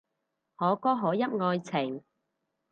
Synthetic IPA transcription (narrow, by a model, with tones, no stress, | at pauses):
hɔː˨˥kɔː˥ɦɔː˨˥jɐ˥p̚ŋɔː˧jt͡sʰɪ˨˩ŋ